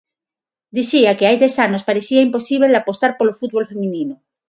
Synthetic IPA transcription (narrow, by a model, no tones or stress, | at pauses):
d̪iθiakeajd̪e̞sanospaɾeθiaimpo̞siβ̞elapo̞st̪aɾpolofut̪̚βo̞lfe̞mĩnĩno